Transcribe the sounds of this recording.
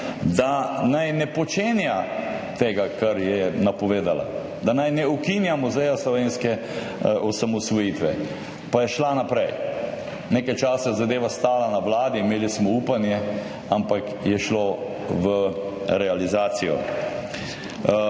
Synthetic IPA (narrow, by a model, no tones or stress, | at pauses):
d̪anajnɛpɔt͡ʃeːnja | t̪eːɡakaɾjɛnapɔʋeːd̪ala̰ | d̪anajnɛukinjamuzɛjaslɔʋeːnskɛ | ɔsamɔsʋɔjit̪ʋɛ | pajɛʃlanapɾɛj | neːkajt͡ʃaːsazad̪eːʋast̪aːlanaʋlaːd̪iːmeːlismɔuːpanjɛ | ampak | jɛʃlo | ʋə | ɾɛalizaːsijɔ̰